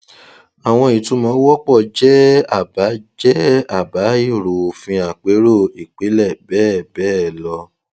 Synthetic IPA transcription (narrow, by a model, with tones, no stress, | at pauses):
a˨w̃ɔ̃˧i˨tũ˧˦mɔ̃˨˦wɔ˦k͡pɔ˦˨d͡ʒɛ˦a˦˨ba˨˦d͡ʒɛ˦a˦˨ba˨˦i˦˨ɾo˨o˨fĩ˧a˨k͡pe˨˦ɾo˦˨i˨k͡pe˨˦lɛ˦˨bɛː˦˨bɛː˦lɔ˧